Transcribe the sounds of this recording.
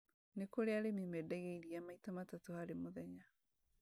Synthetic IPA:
nekoɾeaɾemimɛdɛɣeiɾiamaitamatatohaɾemoðɛɲa

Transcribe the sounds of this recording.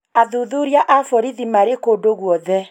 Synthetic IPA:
aðuðuɾjaʔafɔɾiðimaɾekodoɣwɔðɛ

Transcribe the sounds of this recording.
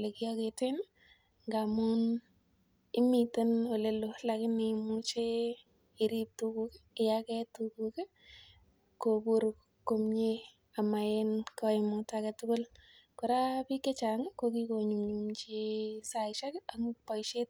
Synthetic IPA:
lekijɔketen | ŋɡamun | ɪmitenwɔlelolakɪnemut͡ʃe | ɪɾip̚tukukeɪjakɛtukuke | kobuɾ | komɲe | amaenkɔɪmʊtaketʊkʊl | kɔɾapikːet͡ʃaŋkokikoɲumɲumt͡ʃisaɪʃakaŋʊpɔjʃet̚

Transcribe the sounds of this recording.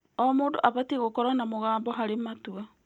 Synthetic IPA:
ɔmoːdoʔaβatiɣokɔɾanamoɣaːmbɔɦaɾematua

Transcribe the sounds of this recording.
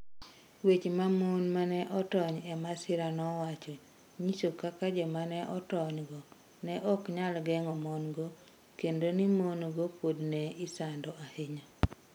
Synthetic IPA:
wet͡ʃmamonmanɛʔɔtɔɲɛmasɪɾanɔwat͡ʃɔ | ɲisokakad͡ʒɔmanɛʔɔtɔɲɡɔ | nɛʔɔkɲalɡɛŋɔmɔnɡo | kendonimonɡopodnɛɪsandɔʔaheɲa

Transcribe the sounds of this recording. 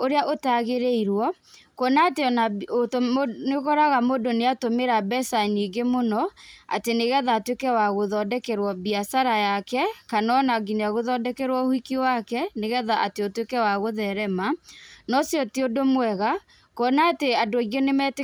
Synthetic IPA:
oɾeaʔotaɣeɾeiɾwɔ | kɔnaːteɔnaotneɣɔɾaɣamodoneatomeɾabɛsaniɡemonɔa̰teneɣɛðaːtwekɛwaɣoðɔdɛkɛɾwɔbiasaɾajakɛkanɔnaɡineaɣoðɔdɛkɛɾwɔhikiwakɛneɣɛðaʔateotwekɛwaɣoðɛɾɛmanɔsjɔtodomwɛɣa | kɔnaːteadoaɣɔnemɛt

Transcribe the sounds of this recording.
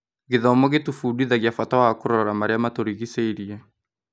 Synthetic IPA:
ɣeðɔmɔɣetufudiðaɣjafatawakoɾɔɾɔɾamaɾeamatoɾiɣiseiɾiɛ

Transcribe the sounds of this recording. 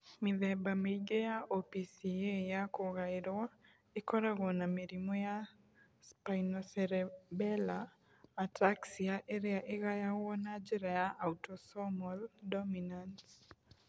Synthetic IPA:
mɪðɛbameiɡejaopisijejakoɣaɪɾwa | ɪkɔɾaɣɔnameɾimɔja | spajnɔsɛɾɛbɛlaː | taksiaʔeɾjaʔɪɣajawɔnad͡ʒiɾajaʔautɔsɔmɔldɔminant

